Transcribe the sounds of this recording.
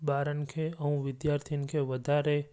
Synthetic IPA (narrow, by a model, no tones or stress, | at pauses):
baːɾənkʰeəũʋɪd̪jaɾt̪ʰinkʰeʋəd̪ʱaɾe